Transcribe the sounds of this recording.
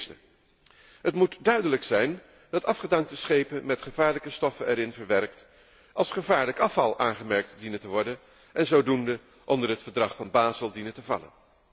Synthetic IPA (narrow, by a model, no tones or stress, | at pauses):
stə̰ | ɦətmutdœɥdələksɛjn | d̥ɑtɑfχədɑŋk̚təsχejpənmɛtχəvaːɹləkəstɔfənɛɾɪnvəɹʋɛrkt | ʔɑlˠsχəvaːɹləkɑfɑlˠʔaːnχəmɛɹk̚tdinətəʋɔɹdən | ʔɛnzowdundə | ʔɔndəɹɦətfəɹdrɑχfɑnbaːzəlˠdinətəvɑ̰lə̰n